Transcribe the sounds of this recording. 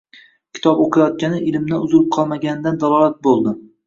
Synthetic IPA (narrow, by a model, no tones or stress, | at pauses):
kʲʰɪ̥t̪ʰɒboqʰɨjɒt̪̚kʲanɪʔɪlɪmd̪aʊzɪlɪp̚qʰɒlˠmaɡʲanɪd̪and̪alˠɒlat̪̚bolˠd̪ɪ